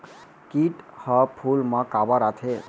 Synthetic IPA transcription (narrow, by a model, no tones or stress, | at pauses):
kiʈhəpʰulməkabaɾat̪ʰe